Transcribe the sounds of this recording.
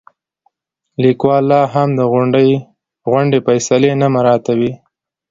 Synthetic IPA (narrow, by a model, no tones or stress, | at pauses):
likwɑlːɑɦamd̪əɣʊɳɖəj | ɣʊɳɖefajsalenamaɾɑt̪awi